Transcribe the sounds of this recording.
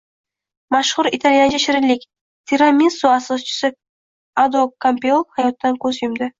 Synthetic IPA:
maʃχʊɾit̪ʰaljand͡ʒaʃɪɾɪlːɪkʲ | t̪ʲʰiɾamʲisoasɒst͡ʃʰɪ̥sɪ | ad̪okʰampʲeulˠhajɒt̪ːankʰʲɵzjʊmd̪ɪ

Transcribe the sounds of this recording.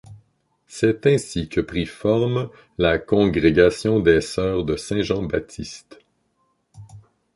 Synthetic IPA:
sɛt̪ɛ̃sikʰʲəpʁifɔʁm | lakɔ̃ɡʁeɡasjɔ̃d̪ɛsœːʁd̪əsɛ̃ʒɑ̃ba̰t̪ʰist̪

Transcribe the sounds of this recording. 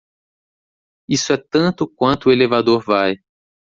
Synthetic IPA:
isʊɛt̪ɐ̃nt̪ʊkwɐ̃nt̪ʊelevad̪oɾvaj

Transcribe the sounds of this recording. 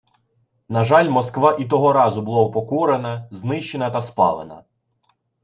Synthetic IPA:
nɐʒɑlʲmɔskʋɑʔit̪̬ɔɦɔɾɑzʊbʊlˠɔwpɔkɔɾenɐznɪʃt͡ʃenɐt̪ɐspɑ̰ʋˠenɐ̰

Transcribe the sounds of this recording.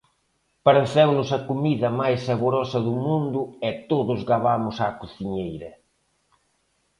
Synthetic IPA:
paɾẽnθɛwnʊsɐkumiðɐmajsːaβoɾɔsɐðʊmũnd̪ʊɛt̪oðʊzɣaβamʊsakuθiɲejɾɐ

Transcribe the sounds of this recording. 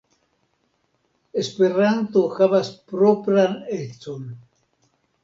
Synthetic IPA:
esperant̪uxaβaspɾopɾanet͡son

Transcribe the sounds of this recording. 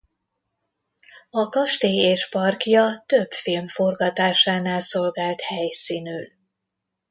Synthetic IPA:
ɒkɒʃt̪eːeːʃpɒrkjɒt̪øbfilmfo̞rɡɒt̪aːʃaːnaːlso̞lɡaːlt̪hɛjsinyl

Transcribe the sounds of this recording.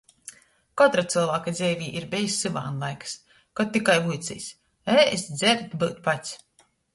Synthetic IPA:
kɔt̪ɾat̪sɨlˠvaːkad̪zʲɛːvʲiːʔiɾbɛjsʲːɨva̰ːnlˠajkɨ̥s | kɔtt̪ːikajvujt̪sḭːsʲ | ɛesd̪zɛɾt̪bɨːt̪pat̪sʲ

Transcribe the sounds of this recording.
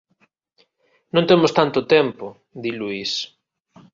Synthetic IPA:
nõnt̪emʊst̪ant̪ʊt̪ɛmpo | d̪iluis

